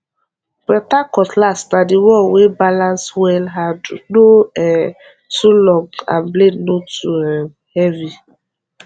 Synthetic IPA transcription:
bɛtakɔtlasnadɪwɔwebalanswɛlɦadnoɛ | tulɔɡa̰nblednotuɛ | hɛvi

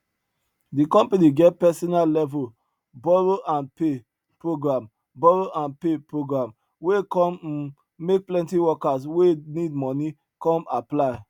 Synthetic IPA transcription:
dikɔ̃mpaniɡɛt̚pɛsɔnallɛvu | bɔɹoʔãnpe | pɹoɡɹãm | bɔɹoʔãnpepɹoɡɹãm | wekɔ̃m | mek̚plɛ̃ntiwɔkas̬wenidmɔ̃ni | kɔ̃maplaɪ

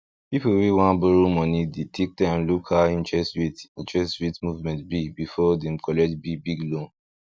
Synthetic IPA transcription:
pipuwewãnbuɾumɔ̃nĩdetʰek̚tãmlukʰaĩntɛsɹitĩntɹɛstɹitmuvmɛ̃ntbibifɔdɛ̃mkɔlɛk̚tbibiɡlõn

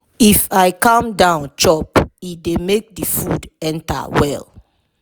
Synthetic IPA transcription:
ifajkãmdãʊ̃nt͡ʃɔpidemek̚difudɛ̃nta̰wɛ̰l

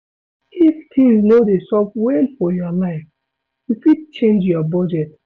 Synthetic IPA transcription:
hift̪ʰĩŋsnodesɔpwɛnfɔjɔlãɪf | jufid̚t͡ʃẽnd͡ʒjɔbɔd͡ʒɛt

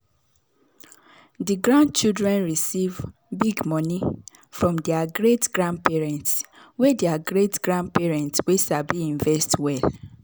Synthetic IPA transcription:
diɡɹãnd̚t͡ʃidɹɛ̃nɹisiv | biɡmɔni | fɹɔ̃mdɛaɡɹetɡ̥ɹãnd̚pɛɹɛ̃ntswɛdeaɡɹetɡ̥ɹãnd̚pɛɹɛ̃ntswesabiĩɱvɛstwɛl

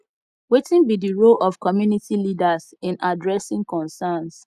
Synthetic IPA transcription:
wetĩnbidiɹolɔfkɔmjunitilidas | ɪ̃nadɹɛsɪ̃ŋkɔ̃nsans

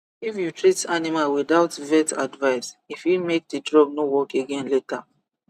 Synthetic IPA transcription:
ifjutɹitanimalwidaʊtvɛtadvaɪsifjimek̚didɹɔɡ̚nowɔkeɡɛ̃nletʰa

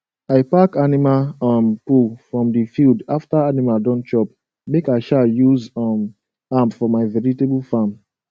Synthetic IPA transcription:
aɪpakanimampufɹɔ̃mdifildaftaanimaldɔ̃nt͡ʃɔp̚ | mekaɪʃaljuzɔm | ãmpfɔmaɪvɛɹitebulfãm

